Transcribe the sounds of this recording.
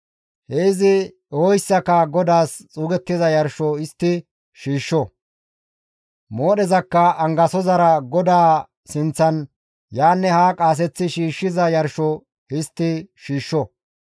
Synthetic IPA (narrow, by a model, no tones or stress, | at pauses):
heɪzɪ | ɔjsːɐkːɐɡɔd̪aːst͡sʼuːɡɛt̪ːɪzɐjɐɾʃɔɪst̪ːɪ | ʃiːʃːɔ | moːɗɛzɐkːɐɐŋɡɐsɔzɐɾɐɡɔd̪aː | sɪnt͡sːɐn | jaːnːɛhaːkʼaːs̬ɛt͡sːɪʃiːʃːɪzɐjɐɾʃɔ | ɪst̪ːɪʃiːʃːɔ